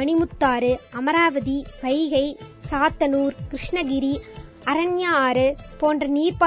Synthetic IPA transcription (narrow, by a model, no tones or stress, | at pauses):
ɐɳɪmʊt̪ːaːɾɯɐmɐɾaːʋɐðiʋɐɪɣɐɪsaːt̪ːɐnuːɾkɪɾɪʂɳɐɡɪɾi | ɐɾɐnjaːɾɯpoːndrɐniːɾpa